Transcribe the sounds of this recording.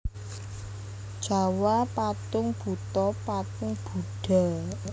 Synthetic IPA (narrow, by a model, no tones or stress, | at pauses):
d̥ʒ̥a̤wapat̪ʊŋb̥ṳt̪ɔpat̪ʊŋb̥ṳɖ̥a̤